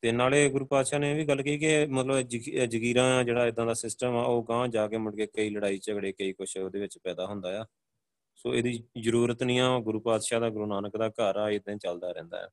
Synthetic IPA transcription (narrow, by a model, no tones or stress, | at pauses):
t̪eːnaːleːɡʊɾuːpaːd̪ʃaːneːʋiːɡəlːkiːkɪmət̪ləbd͡ʒəkiːɾãːãːd͡ʒeːɽaːɪd̪ãːd̪aːsɪsʈəmaːoːɡãːd͡ʒaːkeːməɽkeːkəiːləɽaːiːt͡ʃəɡɽeːkəiːkʊʃoːd̪eːʋɪt͡ʃpɛːd̪aːɦʊnd̪aːjaː | soːeːd̪iːzəɾuːɾət̪nĩːãːɡʊɾuːpaːd̪ʃaːd̪aːɡʊɾuːnaːnəkd̪aːkəɾaːɪd̪ẽːt͡ʃəld̪aːɾɛ̰̃ːnd̪a̰ːɛ̰ː